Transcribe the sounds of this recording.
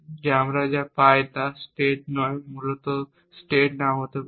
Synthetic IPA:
d͡ʑamɾad͡ʑapajt̪asʈeʈ̚nɔjmulot̪ɔ | sʈeʈnawɦot̪ə

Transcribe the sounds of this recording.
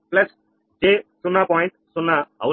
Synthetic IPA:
plɐs | d͡ʒesʊnːapɔjɳʈsʊnːaa̰w

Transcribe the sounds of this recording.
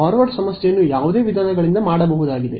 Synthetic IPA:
ɦaːɾʋaɾʈsɐmɐsjejɐnːujaːʋud̪e̞ːʋid̪ʱaːnɐɡɐɭind̪ɐmaːɽɐbɐɦud̪aːɡid̪e̞

